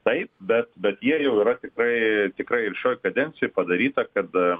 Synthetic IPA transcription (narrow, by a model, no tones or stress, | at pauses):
t̪ɐɪp̚bʲɛt̪bʲɛt̪jiɛjɛʊiːɾɐt̪ʲɪkɾɐɪt̪ʲɪkrɐɪɪlʲʃʲoːjkɐd̪ʲɛnʲtt͡s̪ʲɪjoɪpɐd̪ɐɾʲiːt̪ɐkɐt̪